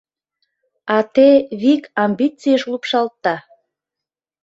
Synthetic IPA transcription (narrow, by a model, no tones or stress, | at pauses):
ɑt̪eβikɑmbit͡sijəʃlupʃɑlt̪ːɑ